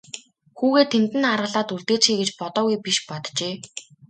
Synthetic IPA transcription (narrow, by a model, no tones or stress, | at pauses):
xuːɣeːt̪ʰemt̪ɘ̆narʁə̆ɮaːt̪uɮt̪eːt͡ɕxiːɡet͡ɕpɔt̪ɔːɣujpiʃpɔt̪t͡ɕeː